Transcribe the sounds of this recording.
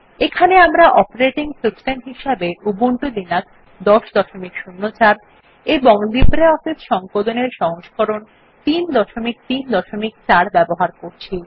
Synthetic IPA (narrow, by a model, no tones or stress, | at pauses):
ekʰaneamɾaʔɔpeɾeʈiŋsuksʈenɦiʃabeubuɳʈod̪inak̚ | d̪ɔʃd̪ɔʃomikʃunːot͡ɕaɾ | eboŋd̪ibɾeɔfisʃɔŋkod̪oneɾʃɔŋoʃkɔɾon | t̪ind̪ɔʃomik̚t̪ind̪ɔʃomik̚t͡ɕaɾbɛboɦaɾkoɾt͡ɕʰi